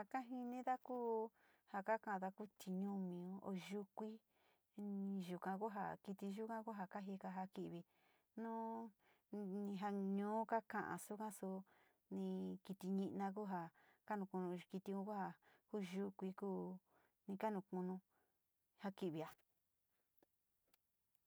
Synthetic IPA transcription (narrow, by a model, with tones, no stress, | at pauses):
ha˨ka˦ɦi˧nĩ˦ða˦kuː˦ | ha˧ka˦kã˦˨˧ða˧ku˦t̪ʰi˧ɲũ˦mĩ˨ũ˦o̰˧ʒu˧kʷi˦ | i˧ʒu˨kã˧ku˦ɦa̰˧ki˧t̪i˧ʒu˦kã˦ku˦ɦa˧ka˦ɦi˧ka˧ɦa˧ki˧ʔβi˧ | nũ˦ | nĩ˧ɦa˧ɲũː˦ka˦kã˧ʔã̰˨su˦kã˦su˧ | nĩ˧ki˧t̪i˧ɲĩ˧ʔnã˧k̬u˦ɦa˧ka˦nũ˧kũ˧nũ˧ki˧t̪i˧ũ˧˦ku˦ha˧kuː˦ʒu˦kʷi˧kuː˦ | nĩ˧ka˦nũ˧˨kũ˧nũ˧ | ha˧ki˧ʔβi˨a˧